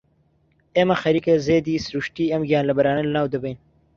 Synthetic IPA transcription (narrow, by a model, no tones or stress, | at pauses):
emɐxɐɾikɐzeːd̪iːsɾuʃʈiːɐmɡjaːnlɐbɐɾaːnɐlnaːwd̪ɐbejn